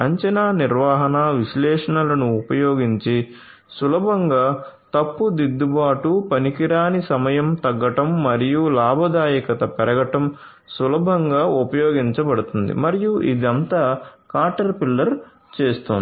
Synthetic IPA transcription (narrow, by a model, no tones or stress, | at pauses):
ɐɲt͡ʃɐnaːniɾʋaːɦɐnɐʋiʃlɛːʂɐɳɐlɐnuːpɐjoːɡiɲt͡ʃi | sulɐbʱɐŋɡaːt̪ɐpːud̪id̪ːubaːʈupɐnikiɾaːnisɐmɐjɐmt̪ɐɡːɐʈɐmːɐɾijulaːbʱɐd̪aːjɐkɐt̪ɐpɛɾɐɡɐʈɐm | sulɐbʱɐŋɡaːupɐjɔːɡiɲt͡ʃɐbɐɽut̪und̪ḭmɐɾijuʔid̪iɐnt̪aːkaːɾʈɐɾpilːɐɾ | t͡ʃeːst̪ond̪